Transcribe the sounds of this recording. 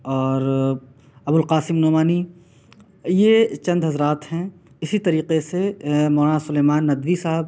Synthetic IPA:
ɔːɾ | ɐbʊlqaːsɪmnoːmaːni | jet͡ʃɐ̃nd̪ɦɐzɾaːt̪hɛ̃ | ɪsit̪ɐɾiːqesemoːɾãsʊleːmaːnːɐd̪ʋisaɦəb

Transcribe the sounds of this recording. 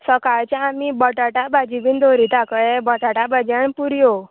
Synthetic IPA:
səkaɭt͡ɕjaamibəʈaʈabad͡ʑibind̪oɾit̪akəɭebəʈaʈabad͡ʑaɳpuɾjo

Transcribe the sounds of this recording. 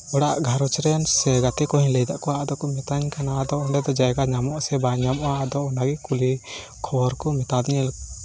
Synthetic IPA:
ɔɽaʔɡʱaɾɔt͡ʃɾɛnsɛɡat̪ɛkɔhiɲlɛjd̪aʔkɔwad̪ɔkɔmɛt̪aɲkanad̪ɔɔɳɖɛd̪ɔd͡ʒajɡaɲamɔʔsɛbaɲamɔad̪ɔɔnaɡikuli | kʰɔɔɾkɔmɛt̪ad̪ɲɛl

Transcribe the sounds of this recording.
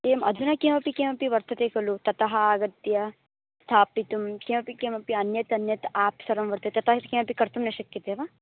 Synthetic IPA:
keːmʔɐd̪ʱunɐkeːmɐpikeːmɐpiʋɐɾt̪ʰɐt̪eːkɐlut̪ɐt̪ɐɦɐaːɡɐt̪jɐ | st̪ʰaːpit̪umkeːmɐpikeːmɐpiɐnjɐt̪ɐnjɐt̪aːpsɐɾɐmʋɐɾt̪ʰɐt̪et̪ɐt̪ɐɦɐkeːmɐpikɐɾt̪umnɐʃɐkjɐt̪eːʋɐ

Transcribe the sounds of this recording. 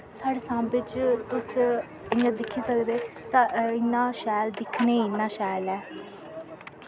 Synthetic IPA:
saːɽeːsãːmbɪt͡ʃt̪ʊs | ɪãːd̪ɪkʰːiːsəkd̪eːsaɪnːãːʃɛːld̪ɪkʰneːɪnːãːʃɛːlɛː

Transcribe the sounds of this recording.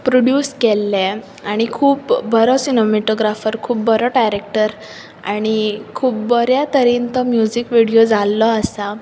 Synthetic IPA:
pɾoɽjuːskɛlːɛ̃ | aɽ̃ikʰuːpbəɾɔsinomeʈoɡɾafəɾkʰuːpbəɾɔʈajɾek̚ʈəɾ | aɽ̃ikʰuːpbəɾjat̪əɾiːnt̪ɔmjud͡ʑikʋiɽijod͡zalːɔəsa

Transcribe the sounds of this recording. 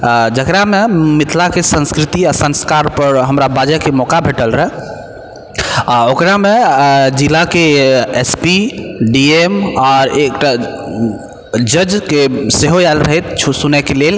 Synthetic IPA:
d͡ʒəkɾamemit̪ʰlakesə̃nskɾit̪iasə̃nskaɾpəɾɦəmɾabad͡ʒakemɔkabʱeʈəlɾəɦɛ | okɾamed͡ʒilakeespiɖiemɔːɾek̚ʈa | d͡ʒəd͡ʒkeseɦojalɾəɦɛt̪t͡ʃʰsunɛkelel

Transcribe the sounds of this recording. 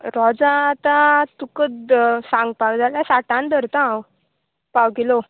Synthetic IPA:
ɾɔd͡zaːt̪at̪ukəd̪sãŋɡpaɡd͡z̪alasaʈãnd̪əɾt̪ãw | pawkelo

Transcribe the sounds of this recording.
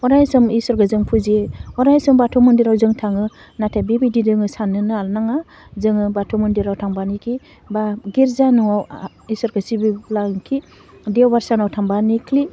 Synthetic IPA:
ɔɾajsɯmisɔɾɡɯzɯŋpʰuziɔɾajsɔmbatʰɔmɯndiɾawzɯŋtʰaŋɯ | natʰebibididɯŋɯsanɯnɯalnaŋa | zɯŋɯbatʰɔmɯndiɾawtʰaŋbanikʰi | baɡiɾzanɯaw | isɔɾɡasibilaŋkʰi | deɔwbaɾsanawtʰaŋbanikʰli

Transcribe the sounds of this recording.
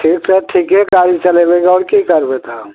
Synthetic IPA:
ʈʰiːkseʈʰiːkɦekaːɾit͡ʃəlebeɡɔːɾkikəɾbet̪a

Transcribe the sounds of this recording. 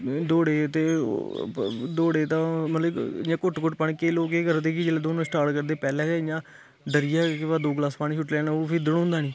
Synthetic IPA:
d̪oːɽeːt̪ḛː | d̪oːɽeːt̪ãːmət̪ləb̰ãːkʊʈkʊʈpəɳkeːloːkeːkəɾd̪eːkiːd͡ʒeːleːd̪oːnõːsʈaːɾʈkəɾd̪eːpɛːlɛ̃ːeɪjãː | ɖəɾɪjaːkɪʋaːd̪oːɡlaːspaːnĩːt͡ʃʰʊʈlɛːnaoːpʰɪɾd̪əɽõːnd̪aːniː

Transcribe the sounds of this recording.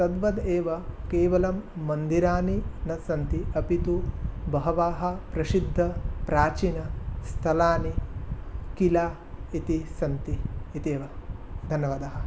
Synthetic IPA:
t̪ɐd̪ʋɐd̪eːʋɐkeːʋɐlɐmːɐnd̪iɾaːninɐsɐnt̪iɐpit̪ubɐɦɐʋaːɦɐ̆pɾɐsid̪ʱːɐpɾaːt͡ʃiːnɐst̪ʰɐlaːni | kilaː | it̪isɐnt̪iːt̪eːʋɐd̪ʱɐnjɐʋaːd̪aːɦɐ̆

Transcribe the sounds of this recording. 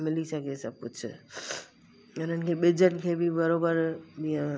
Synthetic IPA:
mɪlisakesab̚pʊt͡ʃʰ | ʊnənkʰebɪd͡ʒəʈkʰebʱibəɾobəɾbiã

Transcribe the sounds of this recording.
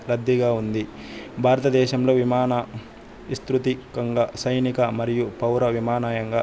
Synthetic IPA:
lɐd̪ːiɡaːund̪i | bʱaːɾɐt̪ɐd̪ɛːʃɐmlo̞ːʋimaːnɐ | ist̪ɾut̪ikɐŋɡɐsɐjnikɐmɐɾijupɐwɾɐʋimaːnaːjɐŋɡaː

